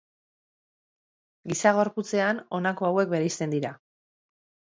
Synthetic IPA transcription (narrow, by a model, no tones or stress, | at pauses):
ɡisaɣo̞ɾput͡se̞ano̞nako̞awe̞k̚be̞ɾejst̪e̞nd̪iɾa